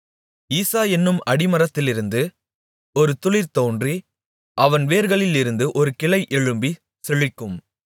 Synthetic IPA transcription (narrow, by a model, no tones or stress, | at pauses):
iːsaːɛnːɯmɐɽɪmɐɾɐt̪ːɪlɪɾɯnd̪ɯ | ɔɾɯt̪ʊɭɪɾt̪oːndri | ʔɐʋɐnʋeːɾɣɐɭɪlɪɾɯnd̪ɯʔɔɾɯkɪɭɐɪʔɛɻɯmbi | sɛɭɪkːɯm